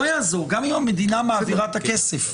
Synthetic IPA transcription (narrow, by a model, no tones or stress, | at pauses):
ojaːzoʁɡamimamed̪inameaːviʁat̪akesef